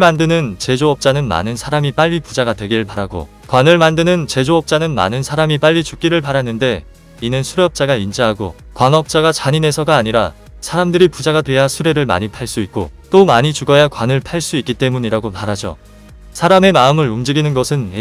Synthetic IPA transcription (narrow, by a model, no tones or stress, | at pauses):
mandɯnɯnt͡ɕe̞d͡ʑoʌp̚t͡ɕ͈anɯnma̰nɯnsʰaɾamip͈aʎːipud͡ʑaɡadwe̞ɡiɾɯɭpaɾaɡo̰ | kwanɯɭmandɯnɯnt͡ɕe̞d͡ʑoʌp̚t͡ɕ͈anɯnma̰nɯnsʰaɾamip͈aʎːit͡ɕuk̚k͈iɾɯɭpaɾanːɯnde̞ | inɯnsʰuɾeʌp̚t͡ɕ͈aɡaind͡ʑaɦaɡo̰ | kwaŋʌp̚t͡ɕ͈aɡat͡ɕaɲine̞sʰʌɡaːɲiɾa | sʰaɾamdɯɾipud͡ʑaɡadwe̞jasʰuɾe̞ɾɯɭma̰ɲipʰaɭs͈uit̚k͈o̰t͈omaɲit͡ɕuɡʌjakwanɯɭpʰaɭs͈uik͈it͈e̞muɲiɾaɡomaɾad͡ʑo̰ | sʰaɾame̞maɯmɯɾumd͡ʑiɡinɯnɡʌsʰɯne